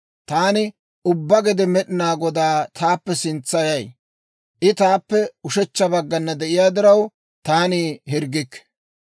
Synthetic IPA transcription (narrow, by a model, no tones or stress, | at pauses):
t̪aːnɪ | ʊbːɐɡɛd̪ɛmɛɗɪnaːɡɔd̪aːt̪ʰaːpːɛsɪnt͡sːɐjɐj | ʔɪt̪aːpːɛʊʃɛt͡ʃːɐbɐɡːɐnːɐd̪ɛʔɪjaːd̪ɪɾɐw | t̪aːnɪɦɪɾɡɪkː